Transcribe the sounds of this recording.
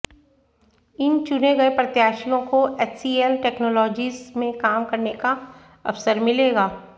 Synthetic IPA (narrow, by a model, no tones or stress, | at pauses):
ɪnt͡ʃʊneɡɐepɾɐt̪jaːʃijõkoɛːt͡ʃsiːelʈɛːknɔːlɔːd͡ʒiːzmẽkaːmkɐɾneka | ɐfsəɾmɪleːɡaː